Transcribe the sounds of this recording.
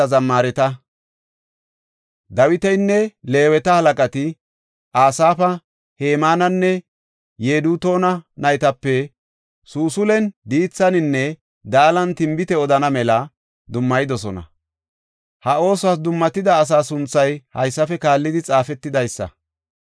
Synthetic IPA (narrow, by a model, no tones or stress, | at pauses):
ɐzɐmːaːɾɛt̪ɐ | d̪ɐwɪt̪ɛjnːɛleːwɛt̪ɐhɐlɐkʼɐt̪ɪ | ʔaːsaːfɐ | heːmaːnɐnːɛ | jeːd̪uːt̪o̞ːnɐnɐjɪt̪ɐpːɛ | suːsʊlɛnd̪iːt͡sːɐnɪnːɛ | d̪aːlɐnt̪ɪmbɪt̪ɛɔd̪ɐnɐmɛlɐ | d̪ʊmːɐjɪd̪ɔsɔnɐ̰ | hɐo̞ːsʊas̬d̪ʊmːɐt̪ːɪd̪ɐːs̬aːsʊnt͡sːɐjhɐjsːɐfɛkaːlːɪd̪ɪt͡sʼaːfɛt̪ːɪd̪ɐjsːɐ̰